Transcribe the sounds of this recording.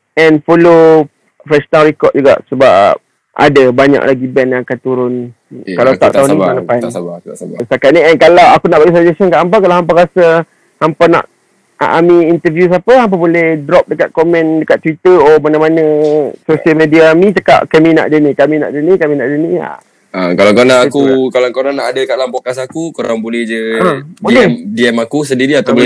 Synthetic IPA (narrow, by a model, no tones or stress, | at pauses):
ɛnfolo | fɾɛʃonalɾikɔt̪̚d͡ʒuɡa̰ʔsəba̰p̚ | ʔa̰dəbaɲã̰ʔlaɡibɛnjãŋakant̪uɾʊn | kalat̪aʔt̪aʊnniaapa | st̪akat̪̚niɛnkalawakunaʔbaɡisad͡ʒɛsənkaʔamp̬akalaɦampaɾasə | hampana̰ʔ | ʔamĩːnt̪əvjus̬apəɦamp̬abolɛhdɾɔp̚dəkat̪̚komɛ̃ndəkat̪ːwit̪əɔmanãmanə̃sosiəlmẽdiaːmĩt͡ʃaka̰ʔkamĩna̰ʔdənĩkamĩna̰ʔdənikamĩnaʔdənia̰ | akalakonaakukalakoɾanaʔadəkaʔlampokasakukoɾa̰ŋbolɛhd͡ʒəadolɛmdiɛmakus̬əndiɾiat̪ab